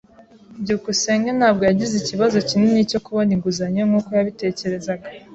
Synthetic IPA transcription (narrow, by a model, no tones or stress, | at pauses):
bɟuukuseːŋɡanhaːbɡo̞jaɟiziciβazo̞cininico̞kuβoniŋɡuzaɲemŋuːko̞jaβite̞ːce̞ɾe̞zaɡa